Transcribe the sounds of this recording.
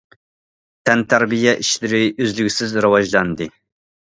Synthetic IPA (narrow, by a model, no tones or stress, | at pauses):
t̪ʰɛnt̪ʰæɾbijɛʔiʃlɪɾɪʔøzlyɡʲsɪzɾɨwɑʒlˠɑnd̪ɨ